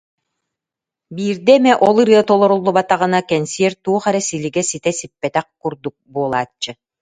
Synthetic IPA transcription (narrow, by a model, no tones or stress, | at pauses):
biːɾd̪ɛɛmɛʔɔlˠɯɾɯɐt̪ɔlˠɔɾulˠːubat̪aʁɯnakɛnsiɛɾt̪uːχɛɾɛsiliɡɛsit̪ɛsipːɛt̪ɛχ̚kuɾd̪uk̚buɔlˠaːt͡ɕːɯ